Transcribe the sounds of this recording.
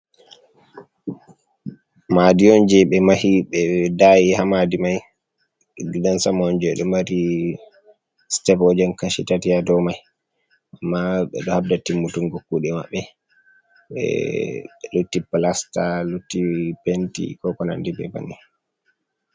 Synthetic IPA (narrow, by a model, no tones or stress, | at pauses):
madiɔnd͡ʒɛɓɛmahiɓɛdaːjihamadimaj | ɡidansamɔnd͡ʒɛɗɔmaɾi | stɛpɔd͡ʒɛnkaʃitatiadɔmaj | ʔamːaɓɛ̰ɗɔhabdatimːutuŋɡokːuɗɛma̰ɓːɛ | ɓɛ̰ | lutːipalastalutːipentḭkɔkɔna̰ndibɛ̰ba̰ni